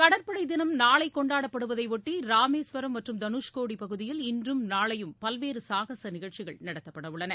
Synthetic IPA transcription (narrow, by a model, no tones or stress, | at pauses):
kɐɽɐɾpɐɽɐɪd̪ɪnɐmnaːɭɐɪkːɔɳɖaːɽɐpːɐɽɯʋɐðɐɪʋɔʈːiɾaːmeːsʋɐɾɐmːɐʈrɯmd̪ɐnuːʂkoːɽipɐɣɯðɪjɪlɪndrɯmnaːɭɐjɯmpɐlʋeːɾɯsaːɣɐsɐnɪɣɐɭt͡ʃɪɣɐɭnɐɽɐt̪ːɐpːɐɽɐʋɯɭːɐnɐ